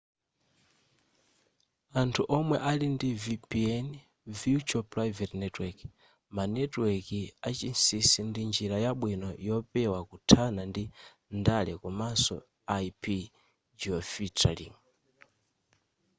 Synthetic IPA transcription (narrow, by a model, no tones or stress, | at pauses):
antʰuʔɔmwɛʔalindivipiɛn | viut͡ʃɔpɾavɛtnɛtwɛki | manɛtwɛkiat͡ʃinsisindind͡ʒiɾajaɓwinɔjɔpɛwakutʰanandi | ndalɛkɔmasɔ̰ | aipʰi | d͡ʒiɔfitʰa̰lḭŋ